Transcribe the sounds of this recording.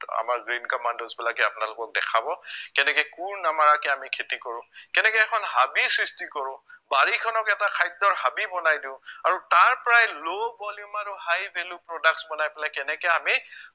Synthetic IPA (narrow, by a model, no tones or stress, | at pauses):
a̰maɹɡɹinkamandozbɛlakɛapʊnalʊkɔk̚dɛ̰kʰabɔkɛnɛkɛjkuɹnamaɹakɛamikʰetikɔɹʊ̃kɛnɛkɛɛkʰɔnɦabisɹistikɔɹʊ̃baɹikʰɔnɔkɛtakʰajɔɹɦabibɔnajdiʊ̃aɹutaɹpɔɹajlobɔljumaɹuhajbʱelupɹɔdak̚sbɔnajpɛlakɛnɛkɛami